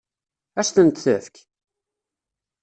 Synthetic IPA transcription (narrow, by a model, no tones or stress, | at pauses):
æʃθənt̪θəfk